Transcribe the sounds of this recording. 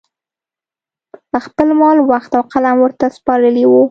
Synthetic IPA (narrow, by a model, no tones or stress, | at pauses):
pəxpəlmɑlwaxt̪awqalamwəɾt̪aspɑɾəliwu